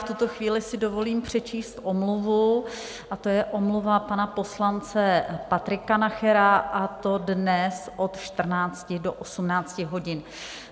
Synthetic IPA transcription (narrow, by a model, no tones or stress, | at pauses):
ft̪ut̪o̞xviːlɪsɪdo̞vo̞liːmpr̝̥ɛt͡ʃiːst̪ʔomluvu | ʔat̪o̞jɛʔomluvapanapo̞slant͡sɛpat̪ɾɪkanaxɛɾaʔat̪odnɛsʔo̞t̪ʃt̪r̩naːt͡scɪdoʔosumnaːt͡scɪɦo̞ɟɪn